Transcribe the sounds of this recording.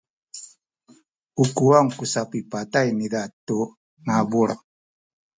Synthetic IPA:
ukuaŋkusapipat̪ajnidat̪u | nabuɾ

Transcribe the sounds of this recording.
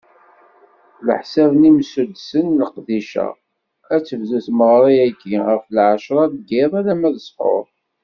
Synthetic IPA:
ləħsævnimsud̪sənləqðiʃæ̰ | æt͡sːəvzuθməʁɾˤiæɡiʁəflʕaʃɾˤɑðɡɪðˤælæmæðəsˤfo̰ɾˤ

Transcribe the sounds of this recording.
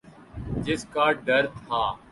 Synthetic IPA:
d͡ʒɪskaːɖəɾt̪ʰaː

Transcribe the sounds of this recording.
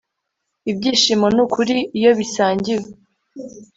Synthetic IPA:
ibɟiːʃimo̞nukʰuɾiːjo̞βisaːɲɟiwe

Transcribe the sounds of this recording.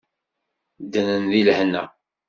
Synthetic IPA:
d̪ənənðilhnːæ̰

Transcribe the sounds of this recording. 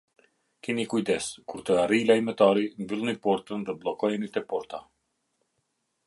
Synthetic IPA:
kinikujd̪ɛskuɾt̪əaɾilajmɛt̪aɾiɱvilˠnipɔɾt̪ənðɛblˠɔkɔjɛnit̪ɛpɔɾt̪a

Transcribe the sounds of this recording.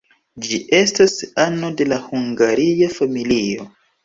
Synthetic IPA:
d͡ʒiʔe̞stasano̞de̞lahuŋɡaɾiafamilio̞

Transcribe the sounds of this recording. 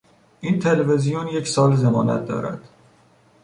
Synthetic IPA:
ʔint̪ʰe̞levezijonje̞csɒːlzemɒːnæ̰t̪̚d̪ɒ̰ːɾæ̰d̪̥

